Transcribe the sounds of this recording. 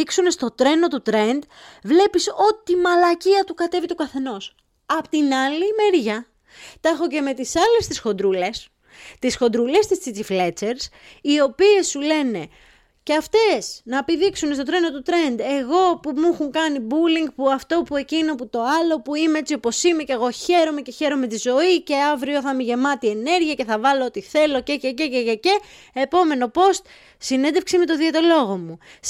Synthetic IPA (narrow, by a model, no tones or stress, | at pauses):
iksune̞st̪o̞t̪ɾe̞no̞t̪ut̪ɾe̞nd̪vle̞piso̞t̪imɐlɐciɐt̪ukɐt̪e̞vit̪okɐθe̞no̞s | ɐpot̪inɐlimeɾʝɐ | t̪ɐxo̞ce̞me̞t̪isɐle̞st̪isxo̞nd̪ɾule̞s | t̪isxo̞nd̪ɾule̞st̪ist͡sit̪iflet͡seɾs | io̞pie̞sːule̞ne̞ | ceɐft̪e̞snɐepiðiksune̞st̪o̞t̪ɾe̞nd̪ot̪ut̪ɾe̞nd̪e̞ɣo̞pumuxuŋkɐnibuliŋɡ̚puɐft̪o̞pue̞cinoput̪o̞ɐlo̞puimeet͡sio̞po̞sime̞ceɣo̞çe̞ɾo̞me̞ce̞çe̞ɾo̞me̞t̪izo̞ice̞ɐvɾio̞θɐmiʝe̞mɐt̪ie̞ne̞ɾʝiɐceθɐvɐloot̪iθe̞lo̞cecececeʝece | epo̞me̞no̞po̞st̪ | sine̞nd̪e̞fksimet̪o̞ðiɐt̪elo̞ɣo̞mu